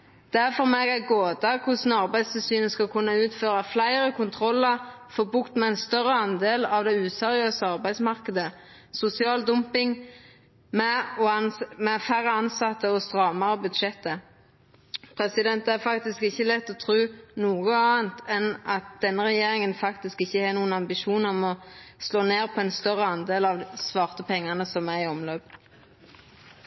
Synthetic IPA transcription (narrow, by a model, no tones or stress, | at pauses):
d̪̥æfɔʁmeːɡæɡoːd̪ɑkʰʊsnɑʁbæɪd̪st̪əsyːnəskɑlkʰʉnːɑʉːt̪føːʁɑflæɪʁəkʰʊnt̪ʰʁɔlːəʁ | fɔbʉkt̪mɛæɪnst̪œɾːəɑnd̪eːlɑʋd̪ɛʉːsɛʁɪøːsəɑʁbæɪd̪smɑʁkəd̪ə | sʊsɪɑːld̪ʊmpɪŋ | mɛɔmɛfæɾəɑnsɑt̪ːəɔst̪ʁɑːmɑʁəbʉd̪ʃɛt̪ːə | pʰʁɛsɪd̪ɛnt̪æʁfɑkt̪ɪskɪçːəlɛt̪ːɔt̪ʰʁʉːnuːɡəɑːnt̪ʰɛnʔɑt̪̚d̪̥ɛnːəʁɛjeːʁɪŋənfɑkt̪ɪskɪçːəhɑʁnuːənɑmbɪʃuːnɔmɔsloːneːʁpʰɔɛnst̪œʁəɑnd̪eːlɑʋsʋɑːʁt̪əpʰɛŋːɑnəsɔmæɪɔmløːp